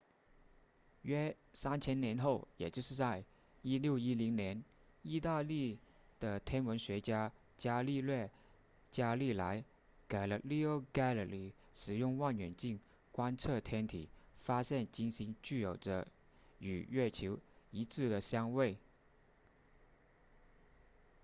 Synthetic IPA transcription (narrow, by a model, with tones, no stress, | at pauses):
ɥɛ˥ | sa˥nt͡ɕʰjɛ˥nnjɛ˧˥nxo˥˩ʊjɛ̰˨˩t͡ɕjo˥˧ʊʂɻ̩˥˧t͡sa˥˧ɪ | i˥ljo˥˩ʊi˥li˧˥ŋnjɛ˧˥n | i˥˧t̪a˥˧li˥˩ | d̪̥ə˩t̪ʰjɛ˥nwə˧˥nɕɥɛ˧˥t͡ɕja˥ | t͡ɕja˥li˥˧lwɛ˥˩ | t͡ɕja˥li˥˩la˧˥ɪ | ke˨˩ɪlə˦li˥˩o˥˩ʊka˥lə˨˩li˧˥˩ | ʂɻ̩˨˩jʊ˥˧ŋwa˥˩nɥɛ˨˩nt͡ɕi˥˩ŋ | kwa˥nt͡sʰɤ˥˩t̪ʰjɛ˥nt̪ʰḭ˨˩˦fa˥ɕjɛ˥˩nt͡ɕi˥nɕi˧˥ŋt͡ɕy˥˩jo˨˩ʊʈ͡ʂə˦ | y˨˩ɥɛ˥˩t͡ɕʰo˧˥ʊi˧˥t͡sʰɹ̩˥˩d̪ə˩ɕjɑ˥ŋwe˥˩ɪ